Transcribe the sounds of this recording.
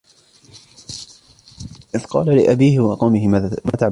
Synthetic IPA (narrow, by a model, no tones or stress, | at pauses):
ʔɪðqɑːlalɪʔabiːhɪwɑqɑwmɪhɪmat̪aʕ